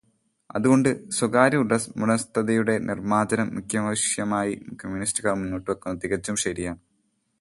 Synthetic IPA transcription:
ɐ̰ðuɣo̞ɳɖɨswɐɡaːɾɐuɽɐsmuɳɐst̪ʰɐðɐjuɽe̞nʔirmaːd͡ʑɐnɐmːukʰjɐmɐɕjɐmaːjikɐmjunistuɣɐɭmunːoːʈːuʋɐkːunːɐt̪iɣɐd͡ʑːumɕɐɾijaːn

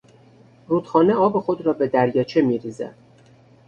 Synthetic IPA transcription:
ruːd̪̥xɒːneɒːbexod̪ɾɒːbe̞d̪æɾjɒːt͡ʃʰe̞miːɾiːzæ̰d̪̥

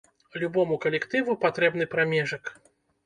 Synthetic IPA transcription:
lʲubɔmukɐlʲɛkt̪ɨvupat̪ɾɛbn̪ɨpɾamʲɛʐɐk

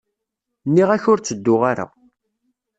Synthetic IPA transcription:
nːiʁæçʊɾt͡sːəd̪ːʊʁaɾa̰

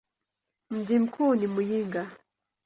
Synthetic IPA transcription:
m̩ɟim̩kʰunimujiŋɡa

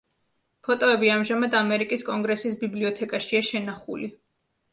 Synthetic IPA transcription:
pʰɔt̪ʼɔɛbiamʒamad̪amɛɾikʼiskʼɔŋɡɾɛsisbibliɔt̪ʰɛkʼaʃiaʃɛnaχṵli

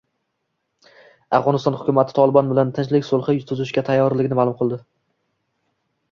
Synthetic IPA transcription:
afʁɒnɪst̪ɒnhʊkʲʊmat̪ʰɪ̥t̪ʰɒlˠɪbɒnbɪlant̪ʰɪnt͡ʃlɪkʲsolˠχɨjʊʊzɪʃkʲat̪ʰajːɒɾlɪɡʲɪnɪmalʊmqʰɨlˠd̪ɪ

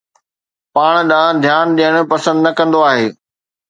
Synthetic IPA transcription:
paːɽ̃ɗãːd̪ʱjaːnɗ̪ijəɽ̃̆pɐsə̃nd̪nɐkɐ̃nd̪oaːɦeː

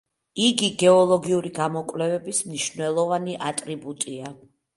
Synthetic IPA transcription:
iɡiɡɛɔlˠɔɡiuɾiɡamɔkʼvlɛvɛbismniʃnɛlˠɔvaniʔat̪ʼɾibut̪ʼia

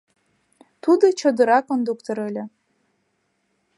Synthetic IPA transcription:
t̪ud̪ɤ̆t͡ɕod̪ɤ̆ɾɑkond̪ukt̪oɾɘ̆lʲɘ̆

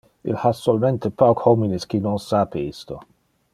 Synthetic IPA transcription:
ḭlhasolment̪epawkhɔminiskinonsaːpeist̪o

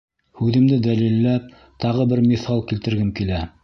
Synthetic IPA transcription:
hʉðɘ̆md̪ɘd̪ælilːæp̚ | t̪ɑʁɤbɘɾmiθɑlˠkilt̪ɘ̆ɾɡɘmkilæ

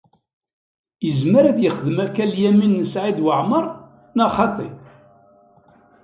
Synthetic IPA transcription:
jəzməɾæðjəχəðəmækːæljæminːəsʕid̪wəʕməɾˤ | nɑχɑt̪ˤḛ

